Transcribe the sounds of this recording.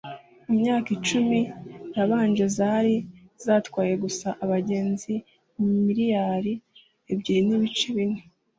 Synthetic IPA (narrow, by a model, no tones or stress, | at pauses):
imɲaːkit͡ʃumiɾaβaːnd͡ʒe̞zaːɾiz̥aːtwaːje̞ɡusaʔaβaɟeːnzi | mumiɾijaːɾi | ebɟiɾiniβit͡ʃeβine